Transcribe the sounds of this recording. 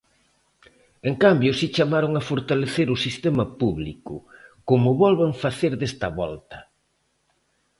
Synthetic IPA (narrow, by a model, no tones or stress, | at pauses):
eŋkambjʊsit͡ʃamaɾoŋafoɾt̪aleθeɾʊsist̪emɐpuβlḭkʊkomʊβɔlβeɱfaθeɾðest̪ɐβɔ̰lt̪ɐ̥